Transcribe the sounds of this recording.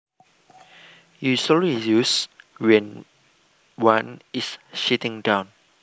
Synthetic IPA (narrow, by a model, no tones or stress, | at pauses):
jusɔlɹijuswɛ̃n | wãnisʃitɪ̃ŋdãwn